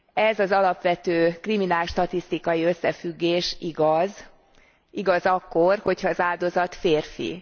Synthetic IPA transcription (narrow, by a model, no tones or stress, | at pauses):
ɛzɒzɒlɒpʋɛt̪øːkriminaːlʃt̪ɒt̪ist̪ikɒjiø̞sːɛfyɡːeːʃiɡɒz | iɡɒzɒkːorho̞chɒːzaːld̪o̞zɒt̪feːrfḭ